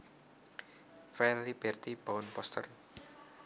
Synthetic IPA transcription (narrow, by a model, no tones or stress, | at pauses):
fɛlib̥ɛrt̪ib̥aʊnpɔst̪ə̰r